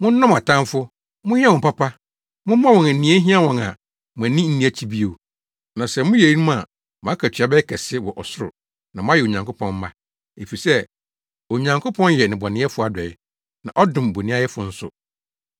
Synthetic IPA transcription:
mʊ̃˦n̩˦nã˦ma˨tʰã˦mfʊ˦ | mʊ̃˦ha˦wɔ̃˨m˨pa˦pʰa˦ | mʊ̃˦m˦mã˦wɔ̃˨æ˨nĩ˦ɛ˦ɦĩ˦a˦wɔ̃˨ŋa˨ | mʊ̃˨æ̃˨nĩ˦n̩˦nĩ˦æ˨t͡ɕʰi˦bi˦o˨ | nã˨sɛ˨mʊ̃˦je˨i˦nũ˦ma˨ | mã˨˦kʰæ˨t͡ɕʰᶣɥa˨bɛ˦kʰɛ˨sɪ˦wɔ˨ʔɔ˨sʊ˦ɾʊ̰˨ | nã˨m̃˦a˦jɛ˨o˨ɲã˨ŋkʰʊ˦pʰɔ̃˦m˦ma˦ | e˨fi˨sɛ˦ | o˨ɲã˨ŋkʰʊ˦pʰɔ̃˦njɛ˨nɪ̃˨bɔ˨nɪ̃˦ɛ˦fʊ˦a˨dɛ˨ɪ˨ | nã˨ʔɔ˦dʊ̃˨m˨bo˨nĩ˦a˦jɛ˦fʊ˨n̩˦sʊ̰˨

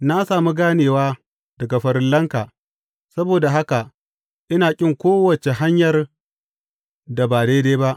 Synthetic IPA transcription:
na˦saː˨mu˦ɡaː˦neː˨waː˦ | d̥ɐ˨ɡa˨ɸɐ˨ɾɪ˦nlːɐ˦ŋkaː˨ | sɐ˦boː˨da˨ɦa˦ka˨ | ʔɪ˦naː˨kʲʼɪ˦˨ŋkʷoː˦wɐ˨t͡ʃe˨ɦa˦ɲjɐ˨r | da˨baː˨deː˦deː˦ba˦ʔ

